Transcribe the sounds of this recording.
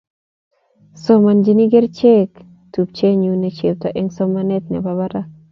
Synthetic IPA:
so˦ma˨nd͡ʒi˨ni˦ɡe˦ɾt͡ʃe˦k | tu˨p̚t͡ʃe˦ɲu˦ne˨t͡ʃe˨p̚tɔ˨ʔɛ˦ŋsɔ˦ma˦nɛ˦t̪̚nɛ̰˨ba˨βa˦ɾa˦

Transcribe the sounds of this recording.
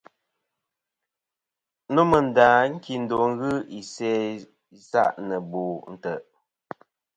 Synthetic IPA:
no˦mə˨n̩˨da˨ŋ̩˦ki˨n̩˨do˨ŋ̩˦ɣɨ˦i˨sɛ˦ | i˨sa̰˦ʔnə˨bo˨n̩˨tə˨ʔ

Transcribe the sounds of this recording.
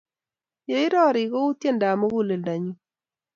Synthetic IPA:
je˨ɪ˦ɾɔ˦˨ɾɪ˨ɣo˦u˦tje˦˨nda˨mo˦ɡu˦le˨lda˨ɲu˦

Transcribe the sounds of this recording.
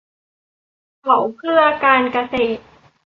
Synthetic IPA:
kʰa˩˦wkʰɾɯ˥˩ɐkaː˧nka˧seː˨˩t̪̚

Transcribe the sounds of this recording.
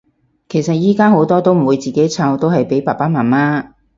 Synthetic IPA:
kʰe˨˩jsɐ˨t̚jiː˥kaː˥ɦo˨˥wt̪ɔː˥t̪o˥wm̩˨˩wuː˨˧jt͡siː˨ke˨˥jt͡sʰaː˧wt̪o˥whɐ˨jpe˨˥jpaː˨˩paː˥maː˨˩nmaː˥

